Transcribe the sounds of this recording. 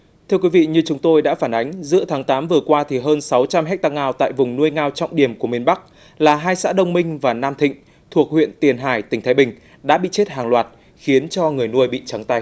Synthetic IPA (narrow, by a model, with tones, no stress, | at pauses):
t̪ʰɨ˧əkwi˨˦vḭ˧˨ɲɨ˧t͡ɕʊ˨˦ŋ͡mt̪o˧jɗa̰ː˧˥faː˧˩nʔa˨˦ŋ̟zɨ̰˧˥ət̪ʰaː˨˦ŋt̪aː˨˦mvɨ˨˩əkwaː˧t̪ʰi˨˩ɦəː˧nsa˨˦wt͡ɕa˧mɦɛ˦˥k̚t̪aː˧ŋaː˧wt̪a̰ː˧˨jvʊ˨˩ŋ͡mnu˧əjŋaː˧wt͡ɕɔ̰˧˨wŋ͡mɗi˧˩əmku˧˩əmi˧ənɓa˦˥k̚ | laː˨˩ɦaː˧jsa̰ː˧˥ɗə˧wŋ͡mmï˧ŋ̟vaː˨˩naː˧mt̪ʰḭ̈˧˨ŋ̟ | t̪ʰu˨˩ək̚hwḭ˧˨ənt̪i˨˩ənɦaː˧˩jt̪ï˩ŋ̟t̪ʰaː˨˦jɓï˨˩ŋ̟ | ɗa̰ː˧˥ɓḭ˧˨t͡ɕe˦˥t̚haː˨˩ŋlwaː˨˩t̚ | xi˨˦ənt͡ɕɔ˧ŋɨ˨˩əjnu˧əjɓḭ˧˨t͡ɕa˨˦ŋt̪a˧j